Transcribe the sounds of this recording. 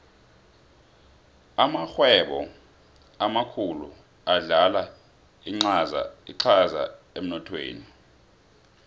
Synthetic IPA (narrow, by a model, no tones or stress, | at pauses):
amaxwɛɓɔ̰ | amakʰulṵ | aɮala | iŋ͡ǀaza̰iǀʰaza̰ | em̩nɔtʰwḛːni